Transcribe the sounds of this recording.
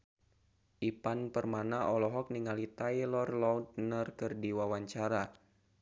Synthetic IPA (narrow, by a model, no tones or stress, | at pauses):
ʔipanpərmanaʔɔlɔɦɔk̚niŋalit̪ajlɔrlɔwd̪̚nərkɨrdiwawaɲt͡ʃaɾa